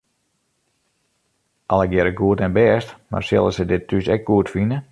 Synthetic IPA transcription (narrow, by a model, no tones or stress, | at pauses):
ʔɑlˠəɡjɛɾəɡuətɛnbɛəstma̰rsɪ̰lˠəsədɪtʰysɛk̚ɡ̥uətfinə